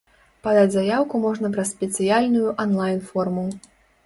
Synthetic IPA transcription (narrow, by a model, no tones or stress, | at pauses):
pad̪ad͡zʲzajawkumɔʐnɐpɾɐssʲpʲɛt̪sɨjalʲnujuʔɐnlˠajnfɔrmu